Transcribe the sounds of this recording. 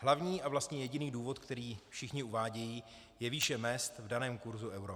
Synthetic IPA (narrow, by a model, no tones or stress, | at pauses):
ɦlavɲiːʔavlast̪ɲɛjɛɟɪniːduːvo̞t̪kt̪ɛɾiːfʃɪxɲɪuvaːɟɛjiː | jɛviːʃɛmɛst̪vdanɛːmkuɾzuʔɛwɾo